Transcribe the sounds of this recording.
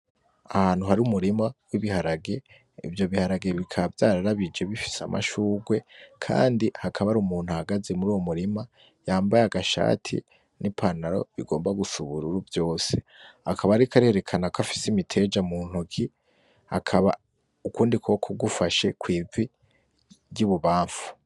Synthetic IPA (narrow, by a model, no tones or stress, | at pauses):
ahaːn̥huɦaɾiumuɾimawiβihaɾaɡe̞ | ḭvjo̞βihaɾaɡe̞βikʰaβavjaːɾaɾaβid͡ʒe̞βifi̥sa̰mʔa̰ʃuːɡwe̞kʰa̰ːndihakʰaβaɾumuːn̥huahaɡaze̞muɾuːwo̞muɾima | jaːmbajaɡaʃa̰ːtʰḭ | nipʰanaɾo̞̰βiɡo̞ːmbaɡusuβuɾuɾuvjo̞ːse̞̥ | akʰaβaɾikaɾihe̞ɾe̞kʰanakafi̥simitʰe̞d͡ʒamuːn̥hokʰi | hakʰaβa | ukuːndikʰokʰoɡufaʃe̞kwiːzwi | ɾjuβuβaːɱfu̥